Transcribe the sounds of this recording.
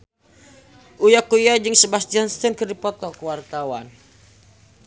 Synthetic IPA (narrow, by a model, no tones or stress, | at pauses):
ʔujakujad͡ʒəŋsəbasd͡ʒɔnst̪ənkərdipɔt̪ɔkəwart̪awan